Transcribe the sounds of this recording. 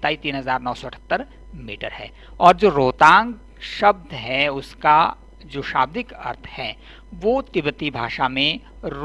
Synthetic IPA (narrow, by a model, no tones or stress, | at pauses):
t̪aːit̪iːnɦəzaːɾnɔːsɔɐʈʰə̥t̪ːəɾ | miːʈə̰ɾhɛ̰ː | ɔːɾd͡ʒoːɾoːt̪ãːŋɡ | ʃɐb̚d̪ʱɦɛʊska | d͡ʒoːʃa̰ːb̚d̪ɪkɐ̰ɾt̪ʰhɛ | ʋoːt̪ɪbt̪ibʱaːʃamẽ | ɾ